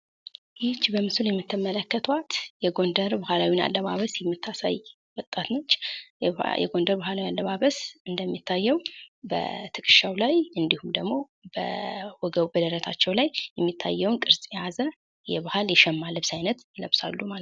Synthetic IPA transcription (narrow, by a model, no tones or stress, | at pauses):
jɪt͡ʃːbəmɨsuljɛmːɨt̪ːɨmːələkːət̪ʰwat̪jɛɡo̞nd̪əɾbahalawina̰lːəβaβəsjɛmːɨt̪ʰːasa̰j | wɔt̪ʼat̪not͡ʃː | jɛ̰ɡo̞nd̪əɾbahalawialːəβaβəsɨnd̪əmːit̪ʰːajːɛwbə̰t̪ʰɨkʼɨ̥ʃawlajɨnd̪ihumd̪əɡmo̞ | bə̰wɔɡəβbəd̪əɾət̪ʰat͡ʃːɛwlajːɛmːit̪ʰːa̰jːɛwnkʼɨɾsʼjɛjazə | jɛβahaljɛʃɛmːalɨβsajnət̪jɪləβsa̰lːumal